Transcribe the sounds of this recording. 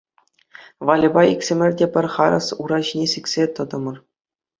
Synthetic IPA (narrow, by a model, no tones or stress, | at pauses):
ʋɑlʲibɑḭkʲsʲemʲɘ̆rʲdʲepʲɘ̆rʲχɑɾɤ̰̆suɾɑʑinʲesʲikʲsʲet̪ɤ̆d̪ɤ̆mɤ̆r